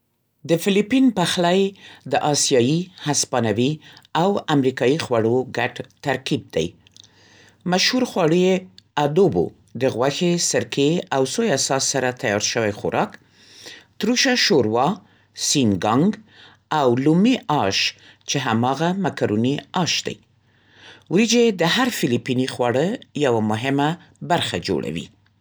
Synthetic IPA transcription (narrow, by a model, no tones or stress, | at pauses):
d̪əfɪlipinpaxlajd̪əʔɑsijɑjihaspɑnawiawamɾikɑjixwaɽoɡaʈt̪aɾkib̚d̪a̰j | maʃhuɾxwɑɽujead̪obo̰ | d̪əɣwaxesəɾkeawsojasɑsːaɾat̪ajɑɾʃəwajxʊ̰ɾʔɑk | t̪ɾuʃaʃoɾwɑ | sinɡɑŋɡ | awlumiʔɑʃ | t͡ʃeɦamɑɣamakaɾuniɑʃd̪a̰j | wid͡ʒed̪əhaɾfɪlipinixwɑɽəjawamʊɦɪma | baɾxad͡ʒo̰ɽa̰wḭ